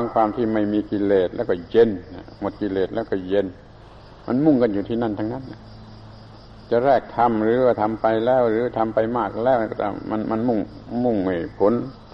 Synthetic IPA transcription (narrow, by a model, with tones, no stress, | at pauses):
aː˧ŋkʰwaː˧mt̪ʰiː˧˩ma˧˩jmiː˧ki˧leː˨˩t̪̚lɛ̰ː˧˩kɔ˧˩je˧na̰˧˩mo˨˩t̪̚ki˧leː˨t̪̚lɛː˧˩wkɔ˧˩je˧n | mʔa˧˨nmu˧˥˩ŋka˧njuː˨t̪ʰiː˧˩na˧˩˨nt̪ʰa˧ŋna˧˥˨nːa˧˩ | t͡ɕa˨˧˩ʔɾɛː˧˩k̚t̪ʰa˧mɾɯː˨˦waː˧˩t̪ʰa˧mpa˧jlɛː˧˥˩wɾɯː˨˦˧t̪ʰa˧mpa˧jmaː˧˥˩k̚lɛː˧˩wt̪a˧˩ma˧˥nma˧˥nmu˧˩ŋmu˧˩ŋa˧˩pʰo˨˥n